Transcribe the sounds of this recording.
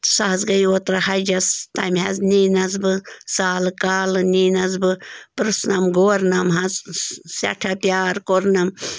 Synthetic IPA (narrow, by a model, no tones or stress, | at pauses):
sɐɦɐzɡɐjoːt̪ɾɐhɐd͡ʒɐst̪ɐmʲɦɐzniːnɐzbɨsaːlkaːlniːnɐzbɨpɨɾɨsnɐmɡoːɾnɐmɦɐzsɐ̰ʈʰɐpjaːɾkoɾnɐm